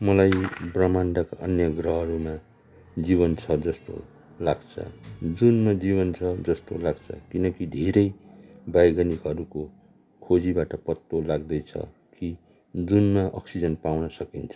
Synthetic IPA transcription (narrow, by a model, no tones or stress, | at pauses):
mʌlajbrʌmanɖakʔʌnjʌɡrʌɦʌɾuma | d͡ziβʌnt͡sʰʌd͡zʌst̪o̰ | laɡt͡sʰʌ̰d͡zunmad͡ziβʌnt͡sʰʌd͡zʌst̪olaɡt͡sʰʌ̰kinʌkid̪ʱeɾʌjbajɡanikɦʌɾuko | kʰod͡zibaʈʌpʌt̪ːolaɡ̚d̪ʌjt͡sʰʌ̰ | ki | d͡zunmaʔʌ̰ksid͡zʌnpawnʌsʌkint͡sʰʌ̥